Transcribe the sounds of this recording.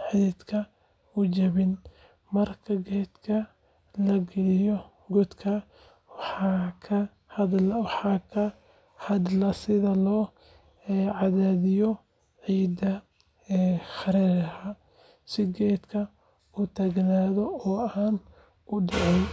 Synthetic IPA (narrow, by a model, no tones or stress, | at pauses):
ħiːd̪kʰɐ | ʊt͡ʃɐβɪn | mɐrkʰɐɡɛd̪kʰɐ | lɐɡɛlɪjɔ | ɡɔd̪kʰɐ | wɑħɑkʰɐ | hɐdlwɑħɑkʰɐ | hɐd̪lɐsɪðɐlɔː | ʕɑðaːðɪjɔ | ʕiːd̪ɐ | ɛːxɑɾɛːɾhɐ | sɪɡɛːd̪kʰɐ | ʊt̪ʰɐɡnaːðɔɔːaːn | ʊɖɑʕɛn